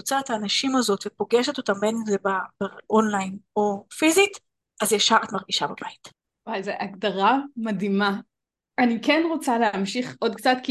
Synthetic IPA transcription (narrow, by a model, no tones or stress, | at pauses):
ot͡saethaːnaʃimazo̞tvepo̞ɡeʃe̞to̞tambenenzebab̥aʔonlajno̞fizit | azjaʃaatmaʁɡiʃababajit | walzeʔaɡdaʁamadima | ʔanikɛnʁot͡saleamʃiχo̞dkt͡satki